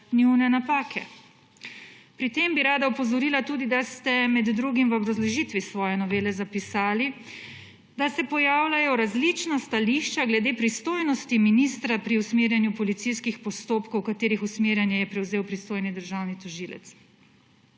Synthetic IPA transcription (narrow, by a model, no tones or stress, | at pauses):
niwnɛnapaːkʰɛ | pɾit̪embiɾaːd̪aɔpɔzɔɾiːlat̪uːd̪id̪ast̪ɛmɛd̪ːɾuːɡimʋɔbɾazlɔʒiːt̪ʋisʋɔːjɛnɔʋeːlɛzapisaːli | d̪asɛpɔjaːwlʲajɔɾazlit͡ʃnast̪aliʃt͡ʃaɡlɛd̪eːpɾist̪oːjnɔst̪iminist̪ɾapɾiusmeːɾjanjupɔlit̪sijskixpɔst̪oːpkowkat̪eːɾixusmeːɾjanjɛjɛpɾɛwzeːwpɾist̪oːjnid̪əɾʒawnit̪ɔʒiːlɛ̰t̪s